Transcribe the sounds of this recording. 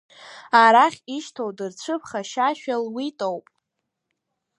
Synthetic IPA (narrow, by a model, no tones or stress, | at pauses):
aɾaχʲiʃtʰowdɨrt͡ɕʷʰɨpʰχaʃaʃᶣalwitʼowpʼ